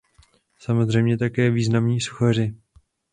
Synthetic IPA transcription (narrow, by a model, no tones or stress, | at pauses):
samo̞zr̝ɛjmɲɛt̪akɛːviːznamɲiːsu̥xar̝ɪ